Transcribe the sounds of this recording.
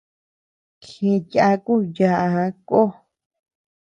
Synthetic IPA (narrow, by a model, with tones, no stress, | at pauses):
kʰĩ˧ja˧ku˦ja˧ʔa˧˨˧ko˦